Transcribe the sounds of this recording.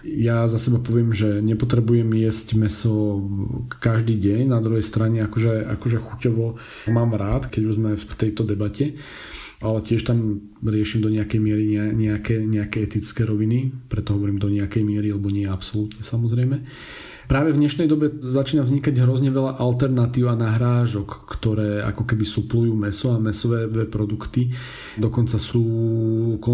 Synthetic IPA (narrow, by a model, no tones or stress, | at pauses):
jazasɛbapɔʋɪɛmʒɛɲɛpɔt̪ɾɛbujɛmjɛzcmɛsɔ | kaʒd̪iːɟɛɲnad̪ɾuɦɛjst̪ɾaɲɛakɔʒɛa̰kɔʒɛxucɔʋɔ | maːmɾaːt̪kɛɟuʒzmɛft̪ɛjt̪ɔd̪ɛbacɛ | ʔalɛcɪɛʃt̪am | ɾɪɛʃimd̪ɔɲɛakɛjmɪɛɾiɲɛaɲɛakɛɲɛakɛɛt̪it͡skɛːɾɔʋinipɾɛt̪ɔɦɔʋɔɾiːmd̪ɔɲɛakɛjmɪɛɾialɛbɔɲɪɛapsɔlut̪ɲɛsamɔzɾɛjmɛ | pɾaːʋɛvɲɛʃnɛjd̪ɔbɛzat͡ʃiːnavzɲikaɟɦɾɔzɲɛʋɛʎaʔalt̪ɛɾnat̪iːʊanaɦɾaːʒɔkːt̪ɔɾɛːa̰kɔkɛbisuplujuːmɛsɔamɛsɔʋɛːd̪ʋɛpɾɔd̪ukt̪i | d̪ɔkɔnt͡sasuːkɔ